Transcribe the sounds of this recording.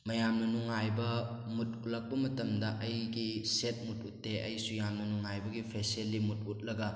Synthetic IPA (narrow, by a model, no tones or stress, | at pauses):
mɐjamnɐnuŋajbɐ | mut̚ut̚lɐk̚pɐmɐtɐmdɐʔɐjɡiset̚mut̚ʰutːeʔɐ̰jsujamnɐnuŋajbɐɡipʰeselːimut̚ut̚lɐɡɐ